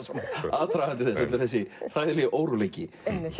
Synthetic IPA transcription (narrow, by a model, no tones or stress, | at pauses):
sɛmaðt̪ʰɾaɣant̪ɪθɛnsɛmnɪɾ̥θɛsːɪr̥ajðɪlɛʔoːwɾulejcɪ